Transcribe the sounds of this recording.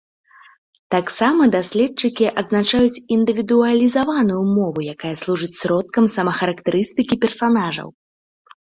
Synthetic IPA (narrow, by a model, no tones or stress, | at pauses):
t̪aksamɐd̪asʲlʲɛtt͡ʂɨkʲiʔɐd̪znat͡ʂajut͡sʲind̪ɨvʲid̪uɐlʲizavanujumɔvujakajɐslˠuʐɨt͡sʲsʲɾɔt̪̚kɐmsɐmɐxɐɾɐkt̪ɛɾɨst̪ɨkʲipʲɛrsanaʐɐ̰w